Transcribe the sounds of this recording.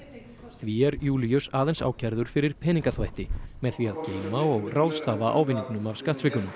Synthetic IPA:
θviɛɾjuːlijʏsaːðejnsa̰ːwcʰɛɾðʏɾ̥fɪɾɪɾ̥pʰɛːniŋkaθvajht̪ɪmɛðθviaðceːjmaɔɣrawðst̪aːvaʔa̰ːwvɪniŋknʏmavskaht̪svɪklʏnʏm

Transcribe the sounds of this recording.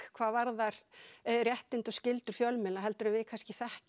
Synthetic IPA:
kʰvaːvaɾðaɾ̥rjɛht̪ɪnt̪ɔscɪlt̪ʏɾ̥fjɔlmɛlaɦɛlt̪ʏɾʏmvɪkʰanscɪθɛhc

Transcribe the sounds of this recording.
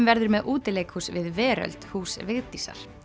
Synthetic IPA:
mvɛɾðʏɾmɛðʔuːt̪ɪleːjkhuːsvɪðvɛːɾœ̰lt̪huːsvɪɣt̪isa̰ɾ̥

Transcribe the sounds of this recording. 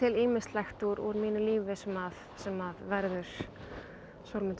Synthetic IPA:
ɪliːmɪst̪lajxt̪uɾɔ̰ɾmiːnʏliːvɪsɛmav | sɛmavvɛɾðʏɾ̥ | soɾmɪnt̪

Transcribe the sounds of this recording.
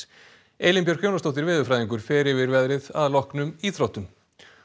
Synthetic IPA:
eːjlɪmpjœɾ̥kʰjownast̪ɔwht̪ɪɾvɪːðʏfɾajðiŋkʏɾ̥fɪːɾɪvɪɾvɛðɾɪðaðlɔhknʏmiθʰɾowt̪ʏm

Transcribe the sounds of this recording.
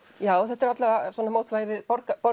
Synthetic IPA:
jaːwɔθɛht̪ɛɾat̪lavasɔnamoːwt̪vajɪvɪðpɔɾkapɔ

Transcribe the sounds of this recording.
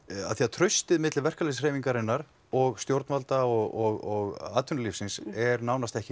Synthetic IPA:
a̰θiat̪ʰɾœɥst̪ɪðmɪt̪lɪvɛr̥kalesr̥eːjviŋkaɾɪnːaɾ | ɔɣst̪jowɾt̪nalt̪aɔɣɔɣɔɣa̰ːt̪ʰʏnlifsɪnsɛɾnawnast̪ɛhcɪ

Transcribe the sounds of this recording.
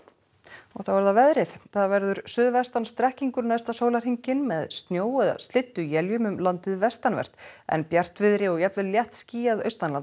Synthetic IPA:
ɔ̰ɣθawvɛɾðavɛðɾɪθθaðvɛɾðʏɾ̥sʏðvɛst̪anst̪ɾɛhciŋkʏɾnajst̪asoːwlaɾ̥hiɲcɪnmɛðst̪njoːwɛða̰st̪lɪt̪ːʏjɛljʏmʏmlant̪ɪðvɛst̪anvɛ̰ɾ̥t̪ɛ̰npjar̥t̪vɪðɾɪɔɣjɛp̪vɪlljɛht̪sciːjaðœ̰ɥst̪anlan

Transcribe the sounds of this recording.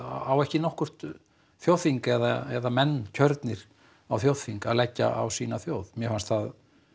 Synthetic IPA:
awɛhcɪnɔhkʏr̥t̪ | θjowðθiŋkɛðaɛðamɛnːcʰœɾt̪nɪɾ̥ | awθjowð̥θiŋkaðlɛcːa̰a̰wsiːnaθjowðmjɛfanst̪θað

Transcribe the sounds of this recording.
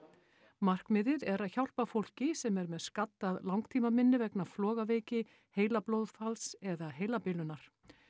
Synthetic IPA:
mar̥kmɪðɪðɛɾaðçawl̥pafowl̥cɪsɛmɛɾmɛðskat̪ːaðlawŋkt̪ʰiːmamɪnːɪvɛknaflɔːɣaveːjcɪ | heːjlaplowðfalsɛðaɦejlapɪlʏnaɾ̥

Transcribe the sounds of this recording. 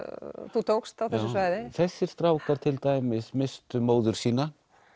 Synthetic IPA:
θut̪ʰowkst̪awθɛssːʏsvaːjðɪθɛsːɪɾ̥st̪ɾaːwkaɾ̥t̪ʰɪlt̪aːjmɪsmɪst̪ʏmoːwðʏɾ̥siːna

